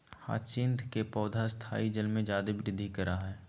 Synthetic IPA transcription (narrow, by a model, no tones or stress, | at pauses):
ha̰ːt͡ʃɪnt̪ʰkepɔːd̪ʱast̪ʰa̰ːid͡ʒəlmẽd͡ʒaːd̪ebɾɪd̪ʱːikəɾaɦɛː